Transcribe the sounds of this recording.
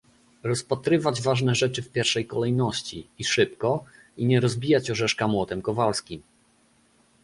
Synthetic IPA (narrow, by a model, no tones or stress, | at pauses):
ɾɔspat̪ɾɘvad͡ʑvaʐnɛʐɛt͡ʂɘfpʲjɛɾfʂɛjkɔlɛjnɔɕt͡ɕḭːʂɘpkɔ | iɲɛɾɔzbʲijat͡ɕɔʐɛʂkamwɔt̪ɛmkɔvalskʲim